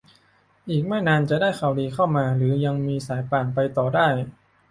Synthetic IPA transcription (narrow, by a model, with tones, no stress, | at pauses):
ʔiː˨˩k̚mɛː˥˩naː˧nt͡ɕa˨˩daː˥˩jxʰa˨˩wdiː˧kʰa˥˩wmaː˧ɾɯː˩˦ja˧ŋmiː˧saː˩˦jpaː˨˩ŋpa˧jt̪ɔː˨˩daː˥˩j